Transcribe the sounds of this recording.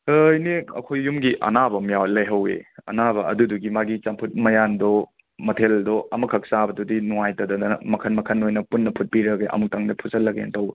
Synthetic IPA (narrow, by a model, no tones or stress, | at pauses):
jneɐ̰kʰojːumɡiʔɐ̰nabɐmjawlɐjɦɐwḛɐ̰nabɐɐ̰duduɡimaɡit͡ʃampʰut̚mɐjandɔ | mɐtʰeldɔɐmɐkʰɐk̚sabɐdudinuŋajtɐdɐdɐmɐkʰɐnmɐkʰɐnojnɐpunːɐpʰut̚piɾɐɡeʔɐ̰muk̚taŋdɐpʰuzɐlːɐɡḛntɐwe